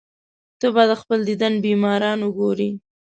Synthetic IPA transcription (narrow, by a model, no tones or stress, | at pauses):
t̪əbɑd̪əxpəld̪id̪anbimɑɾɑnʊɡoɾi